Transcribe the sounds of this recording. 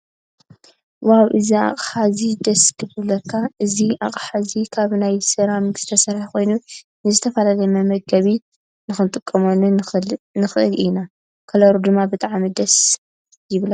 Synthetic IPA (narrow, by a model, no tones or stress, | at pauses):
wawʔɨzia̰χʼħazid̪ɐsk̪ʰɨbɨlɐkʰːaʔɨziaχʼħazikʰaβnajsɨɾamɨɡ̥st̪ʰɐsɐɾħko̞jnu | nɨzɨt̪ʰɐfɐlalɐjmɐmɐɡ̚ɡɐβi | nɨxɨnt̪ʼɨkʼːɐmonunɨxɨʔɨlina | kʰɐlɐɾud̪ɨmːabɨt̪ʼaʕmid̪ɐs | jɪβla